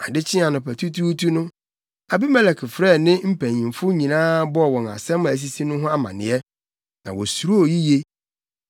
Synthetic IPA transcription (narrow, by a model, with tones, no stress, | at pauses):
a˨dɪ˦t͡ɕʰɪ˦a˨nʊ̃˨pʰæ˨tʰu˦tʰu˦tʰu˦nʊ̃˦ | a˨bi˦mɛ˨lɛ˨kʰɪ˨fɾɛ˦˨nɪ̃˦m̩˦pʰæ̃˨ɲĩ˨mfʊ˦ɲĩ˨nãː˦bɔ˦˨wɔ̃˨na̰˨sɛ̃˦m̃˨æ˨s̬i˦si˦nʊ̃˦ɦʊ̃˦a˦mã̰˨nɪ̰̃˨˦ɛ˦ | nã˨wɔ˨su˨ɾu˦o˨ji˦je˦